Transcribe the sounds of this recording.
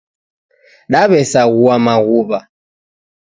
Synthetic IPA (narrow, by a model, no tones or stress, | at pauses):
ɗaβɛsaɣuamaɣuβa